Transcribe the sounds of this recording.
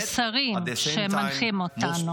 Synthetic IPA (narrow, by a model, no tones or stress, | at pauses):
t͡saʁimʃemanχimot̪anu